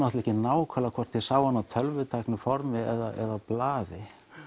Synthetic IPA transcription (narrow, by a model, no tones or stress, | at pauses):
nɔht̪lɛhcɪnaːwkʰalakʰɔr̥t̪ʰːɪlsaːwanat̪ʰœlvʏt̪ʰajknʏfɔɾmɪɛðaʔɛ̰ðawplaːðɪ